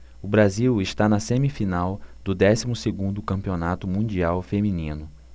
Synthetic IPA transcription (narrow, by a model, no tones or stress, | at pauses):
ʊbɾaziwɪʃt̪anɐsẽmifinawd̪ʊd̪ɛsimʊseɡũnd̪ʊkɐ̃mpionat̪ʊmũd͡ʒiawfemĩnĩnʊ